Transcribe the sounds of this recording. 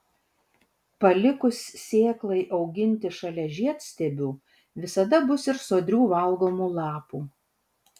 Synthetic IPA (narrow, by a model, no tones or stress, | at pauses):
pɐlʲɪkʊsːʲeːklˠɐɪʔɐʊɡʲɪnʲt̪ʲɪʃɐlʲɛʒʲiɛt̪sʲt̪ʲɛbʲuː | ʋʲɪsɐd̪ɐbʊsɪɾsoːd̪ʲɾʲuːʋɐlˠɡoːmuːlˠɑːpuː